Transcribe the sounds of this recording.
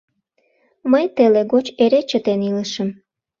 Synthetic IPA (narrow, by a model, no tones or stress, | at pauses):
məjt̪eleɣot͡ɕeɾet͡ɕət̪eniləʃəm